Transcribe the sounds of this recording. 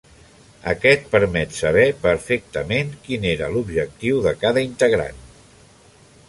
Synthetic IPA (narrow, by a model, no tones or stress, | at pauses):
ə̰kɛt̪̚pəɾmɛt̪səβ̞ɛpəɾfek̚t̪əmeŋkineɾəlubʒək̚t̪iwðəkaðəint̪əɣɾa̰n